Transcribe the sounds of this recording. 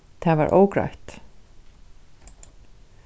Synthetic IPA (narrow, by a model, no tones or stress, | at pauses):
t̪ʰavaɾʔo̰ːwkɾa̰jht̪